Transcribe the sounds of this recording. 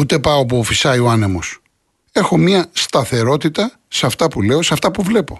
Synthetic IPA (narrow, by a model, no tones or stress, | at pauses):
ut̪e̞pɐopuːfisɐioɐne̞mos | e̞xo̞mɲɐst̪ɐθe̞ɾo̞t̪it̪ɐ | seɐft̪ɐpule̞o̞seɐft̪ɐpuvle̞po̞